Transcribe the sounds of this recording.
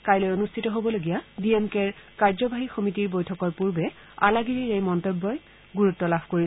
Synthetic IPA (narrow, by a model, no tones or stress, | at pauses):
kajlɔjonustʰitɔɦobɔloɡijabiemkeɹkaɹzɔbaɦixomitiɹbojtʰɔkɔɹpuɹbɛ | alaɡiɹiɹejmɔntobːɔj | ɡuɹutːɔlabʱkoɹi